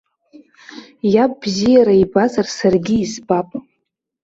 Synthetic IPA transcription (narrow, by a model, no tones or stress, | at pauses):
japʼbzijaɾaibazarsarɡʲiːzbapʼ